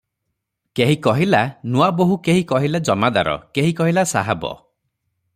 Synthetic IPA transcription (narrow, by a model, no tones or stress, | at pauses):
keɦikɔɦilanuaboɦukeɦikɔɦilad͡ʒɔmad̪a̰ɾɔ̰keɦikɔɦilasaɦabɔ̰